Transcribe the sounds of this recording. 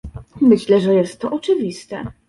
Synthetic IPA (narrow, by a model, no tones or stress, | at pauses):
mɘɕlɛʐɛjɛst̪ːɔʔɔt͡ʂɘvʲist̪ɛ̰